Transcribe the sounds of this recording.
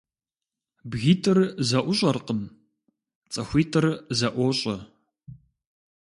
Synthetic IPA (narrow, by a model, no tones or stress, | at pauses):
bɣiːtʰʼɨrzɐʔʷʊɕʼɐrqən | t͡sʼɐxʷiːtʰʼɨrzɐʔʷoːɕʼɐ